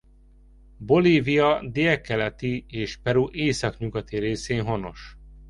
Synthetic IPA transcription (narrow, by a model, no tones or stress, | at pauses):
bo̞liːvijɒd̪iɛkːɛlɛt̪ieːʃpɛɾuːʔeːsɒkɲuɡɒt̪iɾeːseːnɦo̞no̞ʃ